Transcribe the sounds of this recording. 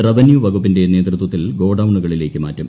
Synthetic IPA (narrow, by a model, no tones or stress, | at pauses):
rɐʋɐnjuʋɐɣupːinde̞neːt̪rɨt̪wɐt̪ːilɡo̞ːɽɐʋuɳːuɣɐɭile̞ːkːɨma̰ːtːum